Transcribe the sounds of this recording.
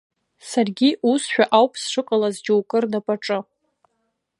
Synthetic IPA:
sarɡʲiʔusʃᶣaʔawpʰʼsʂɨqʼalazd͡ʒowkʼɨrnapʼaʈ͡ʂʼɨ

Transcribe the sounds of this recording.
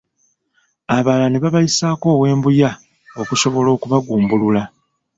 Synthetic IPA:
aβalaneβaβajisaːko̞ːwe̞ːmbuja | o̞kuso̞βo̞lo̞ːkuβaɡuːmbulula

